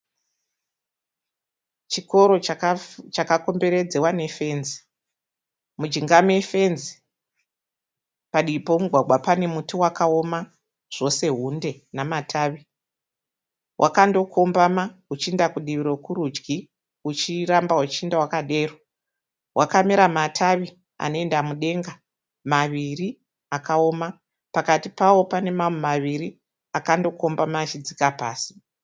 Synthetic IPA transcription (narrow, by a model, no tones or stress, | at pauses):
t͡ʃiko̞ɾo̞ | t͡ʃakako̞mbe̞ɾe̞d͡zewane̞fe̞nzi̥ | mud͡ʒiŋɡamefe̞nzi | paɗipo̞muɡʱwaɡwapane̞mutuwakaoma | ʐ̥o̞se̞ɦunde̞ | namatʰaːʋi | wʔa̰kando̞kʰo̞mbamaut͡ʃiendakuɗiʋiɾo̞kuɾud͡ʒɡi | ut͡ʃirambaɦut͡ʃiindawakaɗe̞ːro | wʔakameɾamatʰaʋi | a̰no̞e̞ndamuɗe̞ŋɡa | maʋiri | akao̞ːma | pakatipawo̞pane̞mamumaʋiɾi | akando̞ko̞mbamaːt͡ʃid͡zikapaːsi̥